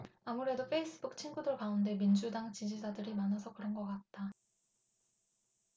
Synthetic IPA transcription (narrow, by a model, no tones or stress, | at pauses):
amuɾe̞doɸʰe̞is͈ɯbuk̚t͡ɕʰinɡudɯɭkaunde̞mind͡ʑudaŋt͡ɕid͡ʑid͡ʑadɯɾimanʌsʰʌkɯɾʌnɡʌk͈at̚t͈a